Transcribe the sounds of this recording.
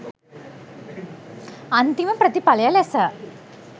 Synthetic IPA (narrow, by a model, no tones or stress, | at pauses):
ɐnd̪imɐmprɐt̪ipɐlɐjalesɐ